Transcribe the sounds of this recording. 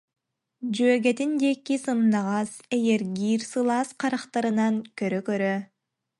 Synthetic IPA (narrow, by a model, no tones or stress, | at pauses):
d͡ʒøːɡet̪ind̪ekːisɯmd̪ɑʁɑseɡeɾɡiːɾsɯlˠɑsqʰɑɾɑqt̪ɑɾɯnɑŋkøɾøkøɾø